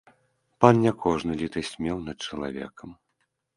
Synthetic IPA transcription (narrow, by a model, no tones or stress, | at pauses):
pannʲakʰɔʐnɨlʲit̪ɐsʲmʲɛwnɐt̪̚t͡ʂɐlˠa̰vʲɛ̰kɐm